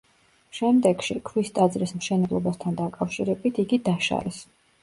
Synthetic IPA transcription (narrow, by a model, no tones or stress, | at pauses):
ʃɛmd̪ɛɡ̥ʃikʰwist̪ʼad̪zɾismʃɛnɛblˠɔbast̪ʰand̪akʼafʃiɾɛbit̪ʰiɡid̪aʃa̰ɾɛs